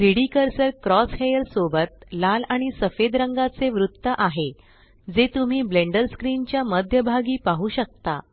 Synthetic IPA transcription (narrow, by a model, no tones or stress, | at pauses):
ɾiɽikəɾsəɾkɾɔshejəlsobət̪̚lalaɽ̃isəfed̪ɾəŋɡat͡seʋɾut̪ːəʔaɦe | d͡zet̪um̤iːbleɳɖəɾskɾint͡ɕjaməd̪ʱjəbʱaɡiːpaɦuːɕək̚t̪a̰